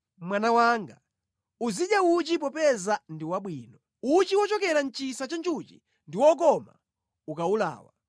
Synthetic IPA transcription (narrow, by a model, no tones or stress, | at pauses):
mwanawaŋɡa̰ | uziɗjaut͡ʃip̬ɔpɛzandiwaɓwiːnɔ | ut͡ʃiwɔt͡ʃɔkɛɾan̩t͡ʃisat͡ʃant͡ʃut͡ʃḭ | ndiwɔk̬ɔma̰ | ukaula̰ːwa̰